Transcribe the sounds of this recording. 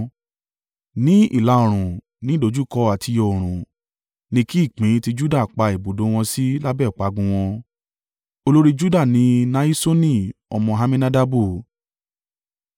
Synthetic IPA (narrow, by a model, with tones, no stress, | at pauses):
nĩ˨˦ḭ˦˨la˧˦o˨ɾ̃ũ˨ | nĩ˨˦do˨˦d͡ʒu˦˨kɔ˧a˨ti˧jɔ˨o˨ɾ̃ũ˨ | nĩ˧ki˦i˦˨k͡pĩ˨˦ti˧d͡ʒu˦da˦˨k͡pa˧i˨bo˨do˨˦w̃ɔ̃˧si˦la˦bɛ˦˨k͡pa˨˦ɡũ˧w̃ɔ̃˧ | o˧lo˦ɾi˦d͡ʒu˦da˦˨nĩ˨˧na˧˦i˦so˦nĩ˦˨ɔ˧mɔ̃˧ɦa˧mĩ˦nã˦da˦bu˦˨